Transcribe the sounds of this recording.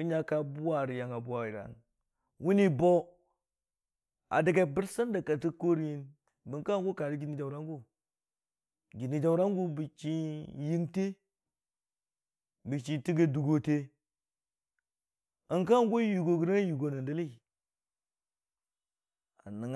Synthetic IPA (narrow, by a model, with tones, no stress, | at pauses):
i˦ɲa˦ka˨bu˦wa˨ɾi˨ja˨ŋa˨bu˦wa˨i˨ɾa̰˨n | wu˦ni˦bo˦ | a̰˨di˨ɡa˨bi˦ɾsa˦nda˨ka˨ti˦ko˦ɾi˨ji˦n | bə˨ŋka˦˨ŋ˦ɡu˦ka˨ɾi˦ɡi˨ni˨d͡ʒa˨wɾa˦ŋɡu˦ | ɡi˨ni˨d͡ʒa˨wɾa˦ŋɡu˦bi˨t͡ʃi˦ji˦ŋte˦ | bi˨t͡ʃi˨ti˦ɡə˦du˨ɡo˦te˦ | ə˨ŋka˦˨ŋɡu˦ju˨ɡo˨ɡi˨ɾa˦ju˨ɡo˨nə˨ndə˦li˦i˨ | a˨nə˨ŋ˨